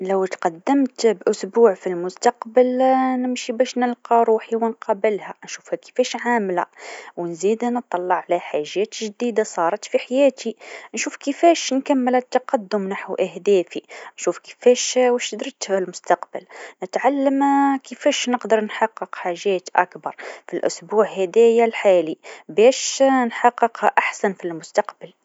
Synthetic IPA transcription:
ləwt̪qɑd̪ːəmt̪bʔʊsbuʕfilmʊst̪ɑqbəlnəmʃibæʃnəlqɑɾuħiwənqɑbəlhænʃufhækə̥fæʃʕamlæ̰wnzid̪nət̪ˤːɑlːɑʕʕlæħaʒːæt̪ʒd̪id̪asˤɑɾˤɑt̪fiħajæt̪ʰinʃufkəfæʃnkæmːəlæt̪ːɑqɑd̪ːʊmnaħwʔahd̪æfinʃufkə̥fɛʃwæʃd̪ɾt̪əlmʊst̪ɑqbəlnət̪ʕalːəmkəfɛʃnəqd̪əɾˤnħɑqːəqħaʒæːt̪ʔa̰kbɑɾˤfilʔʊsbuːʕhæd̪æjalħaːlibæʃnħɑqːəqhʔaħsanfilmʊst̪ɑqbəl

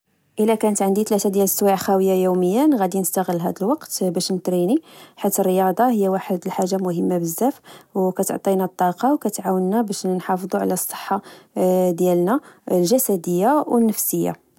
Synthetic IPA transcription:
ʔəlːækænət̪ʕənd̪it̪læt̪ad̪jæləsːwaʕxæwəjːajuməjːənɣæd̪inəst̪aɣəlːɦæ̰d̪əlwɑqt̪bæʃnət̪ɾiniħit̪ərːəjɑd̪ˤɑhəjːæwaħəd̪əlħaʒːamʊɦəmːabəzːæfwkæt̪o̰ʕt̪ˤinɑt̪ˤːɑqɑwkæt̪ʕawənːæbæʃnħɑfd̪ˤuʕlæsˤːə̥ħːɑ | d̪jælnæəlʒæsæd̪əjːawənːəfsəjːa̰

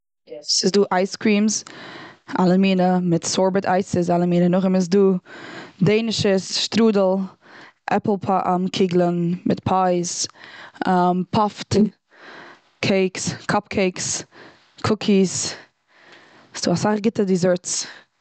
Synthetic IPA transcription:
jɛsɪsduːʔaɪskɾiːms | alˠəmiːnəmɪtsɔɹbətʰaɪsəs̬alˠəmiːnənʊχɪmɪs̬duː | deɪnɪʃəsʃtɾuːdl̩ˠ | ʔɛ̰pl̩ˠpʰaʔamkʰɪɡlˠənmɪtpʰaɪs | ampʰɔft | kʰeɪkskʰɔp̚kʰeɪks | kʰʊkʰis | ɪ̥sd̥uːasaχɡɪtədizɛɹt͡s

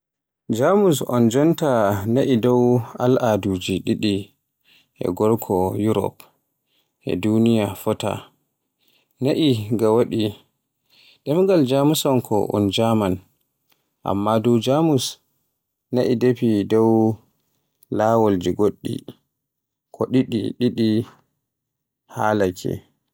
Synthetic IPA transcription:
d͡ʒamusɔ̰nd͡ʒɔntanaʔidɔwa̰lʔadud͡ʒiɗiɗi | ʔɛ̰ɡɔɾkʰɔjuɾɔ̰p | ʔɛ̰dunijafɔta̰ | naʔiɡawaɗi | ɗɛmɡald͡ʒamusɔnkʰɔʔṵnd͡ʒaman | ʔa̰mːadɔwd͡ʒamus | naʔidepidɔw | lawold͡ʒiɡoɗːḭ | kʰɔɗiɗḭɗiɗi | halakʰɛ̰

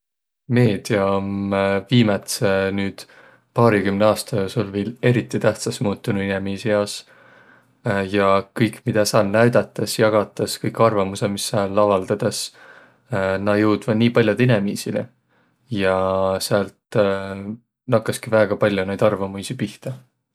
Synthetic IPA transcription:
me̞ːd̪̥iɑomviːmet̪senyːd̪̥ | pɑːɾikymneɑːst̪ɑoso̞lveːle̞ɾit̪ːˑit̪æht̪sɑsmuːt̪ːˑunuinemiːsijɑs | jɑkɤjkːmid̪̥ɑsɑːlnæɥd̪̥ɑt̪ːˑɑsjɑɡ̥ɑt̪ːˑɑskɤjkːɑrvɑmusemisːæːlːɑvɑld̪̥ɑd̪̥es | nɑjɤwd̪̥vɑd̪niːpɑlʲjod̪̥inemiːsile | jɑseælt̪ | nɑkːˑɑskivæeɡ̥ɑpɑlʲːjunejd̪ɑrvɑmujsipiht̪ɑ

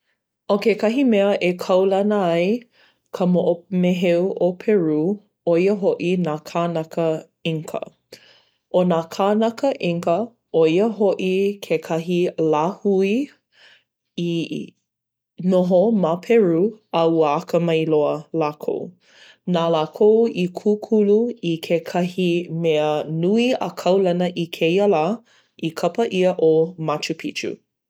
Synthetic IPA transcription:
okekɐɦimɛəʔekʰɐwlɐnəɐj | kʰəmoʔomeɦewʔopʰɛɹu | oiəɦoʔinaːkʰanɐkə | iŋkʰə̰ | ʔonaːkʰanɐkəʔiŋkə | oiəɦoʔikʰekʰɐɦilahui | i | noɦomapʰɛɹuauəakəmɐjloəlaːkʰo̰w | naːlaːkʰowikʰukʰuluikʰekʰɐhimeənuiɐ̰kʰɐwlɐnəʔikʰejəla | ʔikʰɐpəʔiəʔomat͡ʃupʰit͡ʃṵ

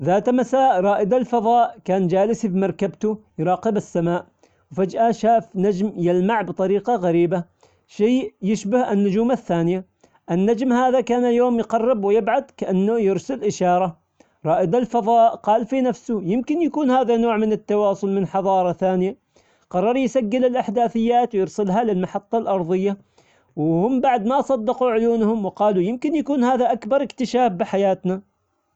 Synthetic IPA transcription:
ðaːt̪masaːʔɾˤɑːʔɪd̪alfɑðˤɑːʔkaːnd͡ʒaːlɪsfimɑɾˤkabt̪ʊjɾˤɑːqɪbɪsːamaːʔ | wfad͡ʒʔaʃaːfnad͡ʒmjɪlmaʕbt̪ˤɑɾiːqɑɣaɾiːba | ʃiːjɪʃbɪhanːʊd͡ʒuːmaθːaːnɪja | ʔɪnːad͡ʒmhaːðakaːnajoːmjqɑrːɪbwɪjɪbʕad̪kaʔanːʊjɪɾsɪlʔɪʃɑːɾˤɑ | ɾˤɑːʔɪd̪alfɑðˤɑːʔqɑːlfinafsʊjɪmkɪnjakuːnhaːðanoːʕmɪnɪt̪ːɑwɑːsˤʊlmɪnħɑðˤɑːɾˤɑθaːnɪja | qɑrˤːɑɾˤjsaɡːɪlɪlʔaħd̪aːθɪjːaːt̪wjɪɾsɪlɦalɪlmaħɑt̪ˤːɑlʔɑɾˤðˤɨjːa | wɪhʊmːbaʕd̪masˤɑd̪ːɪquʕʊjuːnhʊmwɪqɑːlujɪmkɪnjakuːnhaːðaʔakbɑɾˤɪkt̪ɪʃaːfbɪħajaːt̪na

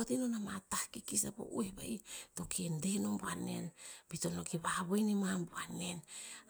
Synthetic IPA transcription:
otinonamatahkikisapo̰ʔuehba̰ito̞kiendenombuanḛnbitonokiβaβojnimambuanen

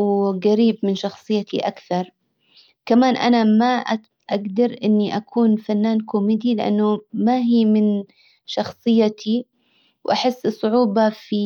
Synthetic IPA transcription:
wɡaɾiːbmɪnʃɑxsˤɨjːat̪iʔa̰kθɑɾˤ | kamaːnʔa̰namaʔ | ʔaɡd̪ɑɾˤʔɪnːiʔakʰuːnfanːaːnkʊːmɪd̪ilɪʔa̰nːʊmaɦiːmɪn | ʃɑxsˤɨjːat̪ʰi | wʔaħɪsːɨsˤːʊʕuːbɑfi

